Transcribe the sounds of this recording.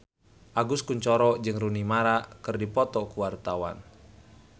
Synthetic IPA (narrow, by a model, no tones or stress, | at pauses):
ʔaɡuskuɲt͡ʃɔɾɔd͡ʒɨŋrunimaɾakɨrdipɔt̪ɔkuwart̪awa̰n